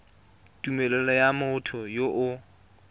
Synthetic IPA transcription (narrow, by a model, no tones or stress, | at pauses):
tumɛlɛlɔjamʊtʰɔjoʔʊ